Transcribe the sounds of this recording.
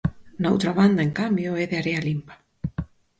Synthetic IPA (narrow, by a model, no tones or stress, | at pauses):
naowt̪ɾaβ̞and̪aeŋkambjʊɛðeaɾealimpḁ